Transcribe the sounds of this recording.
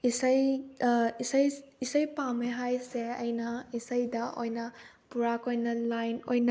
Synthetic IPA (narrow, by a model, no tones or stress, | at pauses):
isɐj | isɐjisɐjpameɦajseɐjnɐisɐjdɐʔojnɐ | puɾakojnɐlajnojnɐ